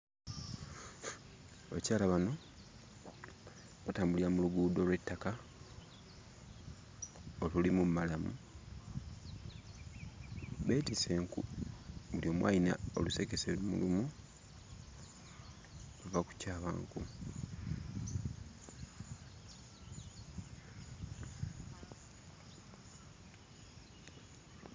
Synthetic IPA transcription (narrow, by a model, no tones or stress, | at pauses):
βa̰caːlaβano̞ | βataːmbuliɾamuluɡuːdo̞ːlwe̞tːaka | olulimummalamṵ | βe̞ːtise̞ːŋkṵβuljo̞mwʔa̰jina̰o̞̰luse̞ke̞selumṵlumu | βavaku̥caːβa̰ːŋku